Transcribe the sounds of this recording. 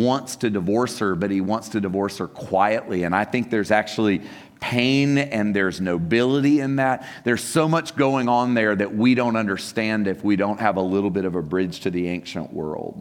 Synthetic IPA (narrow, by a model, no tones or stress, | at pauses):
wɑ̃ntstʰɨdɨvɔɹshə˞bʌt̚hiwɑ̃ntstʰɨdɨvɔɹshə˞kʰw̥aɪɨʔˡliɨ̃ñaɪθɪ̃ŋk̚ðə˞zæk̚t͡ʃul̩ˠi | pʰẽɪ̃nɨ̃nðə˞znoʊbɪlˠəɾiɪ̃nðæt̪̚ | ðə˞z̥soʊmʌt͡ʃɡ̥oʊɪ̃ŋə̃nðə˞ðɨʔ̚wiɾõʊ̃ntʌ̃ndə˞stæ̃ndɨfwiɾõʊ̃nʔ̚həvəlɪɾl̩ˠbɪɾʌvəbɹɪd̥ʒ̥tʰɨðiẽɪ̃ŋkʃɨ̰̃nʔwɜ̰˞lˠd̥